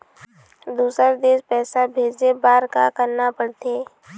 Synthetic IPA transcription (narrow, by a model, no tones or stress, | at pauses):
d̪uːsəɾd̪eːspɛːsabʱeːd͡ʒebaːɾkakəɾnapəɽt̪eː